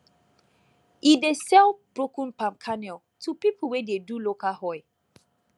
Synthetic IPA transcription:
idesɛlb̥ɹokũnpãmkʰanɛlˠ | tʰupip̩ʰwɛdedulokahɔɪ

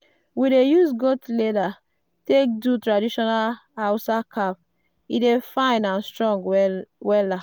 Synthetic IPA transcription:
widejusɡotleda | tek̚dutɹadiʃɔnalhawsakʰap̚ | idefãɪ̃nãnstɹɔ̃ŋɡwɛlːa

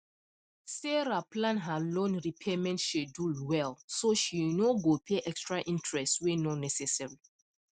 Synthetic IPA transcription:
sɛɹaplãnɦalõnɹipʰemɛ̃ntʃedulwɛlsoʃinoɡopʰeʔɛkstɹaʔĩntɹɛstswenonɛsɛsɛɹi

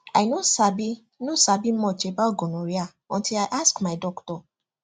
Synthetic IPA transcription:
aɪnosabi | nosabimɔt͡ʃebat̚ɡonõɾia | ɔ̃ntʰilaɪʔaskmaɪdɔktɔ

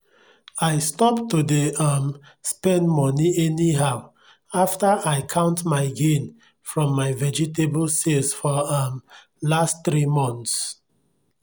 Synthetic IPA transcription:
aɪstɔptudeamspɛ̃ndmɔniɛniɦaʊ | aftəʔaɪkʰãʊ̃ntmaɪɡẽn | fɹɔ̃mːaɪvɛd͡ʒitebəlselsfɔam | lastθɹimɔ̃nθs

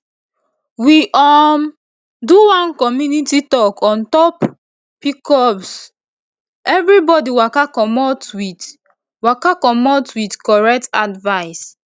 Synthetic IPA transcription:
wiʔɔm | duwãnkɔmjunititɔkʰɔ̃ntɔp | pikɔps | ɛvɹibɔdiwakakɔmɔtwi | wakakɔmɔtwidkɔɹɛk̚tadvaɪs

